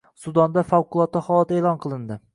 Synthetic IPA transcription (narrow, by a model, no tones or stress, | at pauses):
sʊd̪ɒnd̪afawqʊlˠɒt̪ːɪhɒlˠɒt̪eːlˠɒnqʰɨlˠɪnd̪ɪ